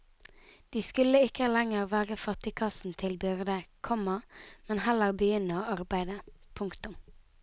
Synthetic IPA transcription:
d̪̥iːskʉləɪkəlɛŋəʁʋæːʁəfɑt̪ɪkʰɑsn̩t̪ʰɪlbʏʁd̪əkʰɔmɑmɛnhɛləʁbəjʏnəoːɑʁbæɪd̪əpʰʊŋkt̪ʊm

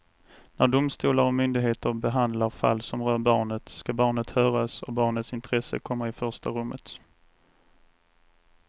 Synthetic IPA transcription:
næɖʊmst̪uːlaɾɔmʏnd̪ɪɡɦeːt̪əɾbɛɦand̪laɾfa̰lːsɔmɾœːɾbɑːɳət̪skabɑːɳət̪hœːɾasɔ̰bɑːɳət̪sɪnt̪ʰɾɛsə̰kʰɔmːaɪfœʂʈaɾɵmːʔət̪

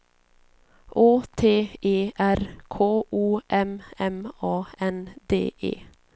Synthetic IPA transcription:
ʔoːt̪ʰeːeːʔæɾkʰoːʔuːʔɛmɛmɑːɛnd̪ḛːʔḛː

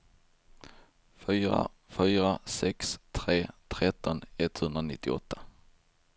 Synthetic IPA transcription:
fyːɾa̰fyːɾasɛkst̪ʰɾeːt̪ʰɾɛt̪ʰːɔnɛt̪ːhɵnd̪ɾanɪt̪ʰːɪɔ̰t̪ʰːḁ

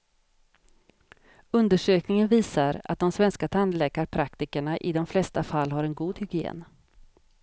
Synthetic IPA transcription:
ɵnd̪əʂøːknɪŋənviːsaɾa̰t̪̚d̪ɔmsvɛnskat̪ʰand̪lɛːkaɾpʰɾakt̪ɪkəɳaʔɪd̪ɔmflɛst̪afalːɦaɾɛnɡuːd̪hʏɡɪḛːn

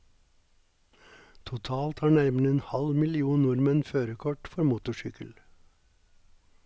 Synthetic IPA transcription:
t̪ʰʊt̪ʰɑːlt̪hɑːɳæɾməɳəeːnhɑlmɪlɪuːnʊɾmənføːɾəkʰɔʈfɔɾmuːt̪ʊʃʏkəl

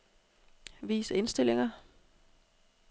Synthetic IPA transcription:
ʋḭːse̝nsd̥e̝l̰eŋɐ

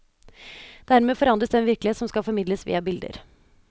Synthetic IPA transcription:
d̪̥æɾmeːfɔɾɑnd̪ɾəsd̪ɛnʋɪɾklɪeːt̪sɔmskɑfɔɾmɪd̪ləsʋḭːɑbɪld̪ə̰ɾ

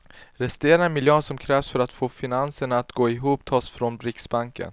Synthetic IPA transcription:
ɾɛst̪eːɾamɪljøːnsɔmkʰɾɛːvsfœɾat̪foːfɪnansəɳaːt̪ɡoːɪɦuːpt̪ʰɑːsfɾɔnbɾɪksbaŋkə̰n

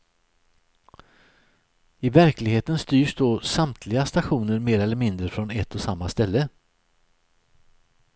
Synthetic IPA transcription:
ɪvæɾklɪɡheːt̪ənst̪yːʂd̪oːsamt̪ʰlɪɡast̪aɧuːnəɾmeːɾɛlːəɾmɪnd̪ɾəfɾɔnɛt̪ːɔsamːast̪ɛlːə

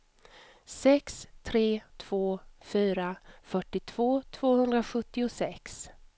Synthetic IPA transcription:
sɛkst̪ʰɾeːt̪ʰv̥oːfyːɾafœʈːɪt̪ʰv̥oːt̪ʰv̥oːhɵnd̪ɾaɧɵt̪ːɪʊsɛks

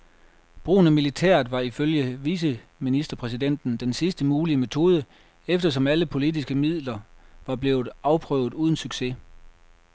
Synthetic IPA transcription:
b̥ʁṵːnæmilit͡sʰæ̰ɐ̰d̥ˠʋɑ̈iføljəʋiːs̬ə | minisd̥ɐpʰʁɛs̬id̥en̰d̥n̩d̥ensisd̥əmuːliəme̝t͡sʰo̝ːð̞ˠə | efd̥ɐsɒ̽mæləpʰo̝lid̥isɡ̥əmið̰ˠlɐʋɑ̈b̥le̝̰ːʊð̞̩ˠɑ̈ʊpʰʁœ̰ʊð̞ˠuːð̞ˠn̩syɡ̥se̝

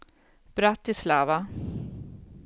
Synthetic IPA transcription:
b̥ɾat̪ːɪslaːva

